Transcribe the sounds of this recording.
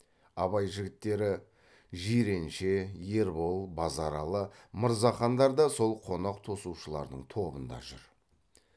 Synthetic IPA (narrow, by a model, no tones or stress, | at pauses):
ɑβɑjʒɪɡʲɪt̪ːe̞ɾɪ | ʒiɾe̞nʃe̞je̞ɾbo̞lˠbɑzɑɾɑlˠəməɾzɑχɑnd̪ɑɾd̪ɑso̞lˠqʰo̞nɑqt̪ʰo̞suwʃəlˠɑ̰ɾd̪əɴt̪ʰo̞bənd̪ɑ̰ʒʏɾ